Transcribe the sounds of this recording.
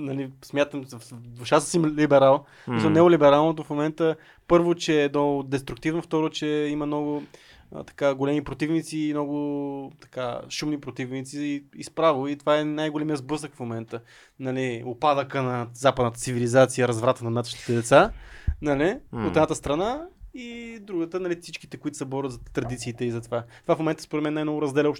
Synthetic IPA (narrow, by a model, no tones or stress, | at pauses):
nɐlismʲjat̪əmd̪vʊʃasəsimlibɛɾalˠ | smislˠnɛʊlibɛɾalˠnot̪ofmomɛnt̪ə | pɤɾvot͡ʃɛːd̪nɔd̪ɛst̪ɾuk̚t̪ivnoft̪ɔɾot͡ʃɛimənɔɡʊ̰ | t̪ɐ̥kaɡolɛmipɾot̪ivnit̪simnɔɡʊt̪ɐ̥ka̰ʃumnipɾot̪ivnit̪siispɾavoit̪ovaɛnajɡolɛmijəzbɤs̬əkfmomɛnt̪ə | nɐliopad̪əkənɐzapəd̪nət̪ə̥tsivilizat̪sijəɾɐzvɾat̪ənɐd̪at̪əʃt̪it̪ɛd̪ɛt̪sanɐliot̪ɛd̪nat̪əst̪ɾɐnaid̪ɾuɡət̪ənɐlifsit͡ʃki̥t̪ɛkʊit̪ʊ̥sɛbɔɾət̪zɐt̪ɾɐd̪it̪siːt̪ɛizɐt̪ovat̪ovafmomɛnt̪əspoɾɛt̪mɛnːajmnɔɡʊɾɐzd̪ɛlʲɛɔʃ